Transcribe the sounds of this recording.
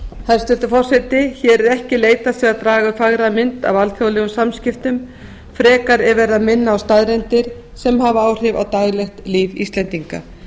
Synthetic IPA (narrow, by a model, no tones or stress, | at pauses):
hað̥st̪ʏnt̪ʏfɔr̥sɛt̪ɪçɛɾɛɾɛhcɪleːjt̪asɛɣaðt̪ɾaːɣafaɣɾamɪnt̪a̰valθjowlɛːɣʏmsamscɪft̪ʏm | fɾɛːkaɾɛɾvɛɾðaðmɪnːaːwst̪aðɾɛnt̪ɪɾ̥ | sɛmhavaaːwr̥ɪva̰wt̪aːjlɛxt̪liːvḭst̪lɛnt̪iŋka̰